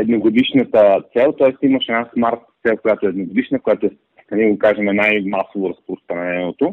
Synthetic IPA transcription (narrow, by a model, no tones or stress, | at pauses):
ɛd̪noɡod̪iʃnət̪ət̪sɛlˠt̪ɔɛst̪imɐʃɛnasmaɾt̪sɛlˠkojat̪oɛːd̪noɡod̪iʃnəkojat̪ʊɛ | kɐniɡokaʒɛmɛnajmasovoɾɐspɾost̪ɾɐnɛnot̪o